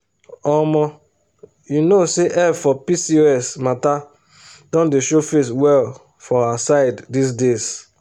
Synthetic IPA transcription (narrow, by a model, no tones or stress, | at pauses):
ɔmɔ̃ | junoseʔɛvfɔpisioɛsmata | dɔ̃ndeʃofeswɛl | fɔasaɪdːisdes